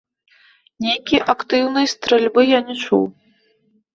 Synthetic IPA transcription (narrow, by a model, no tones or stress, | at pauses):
nʲejkʲijʔakt̪ɨwnɨjst̪ɾɛlʲbɨjanʲɛt͡ʂṵw